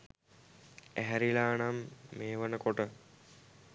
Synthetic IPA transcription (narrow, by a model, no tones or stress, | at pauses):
æɦæɾilaːnamːeːʋənəkoʈə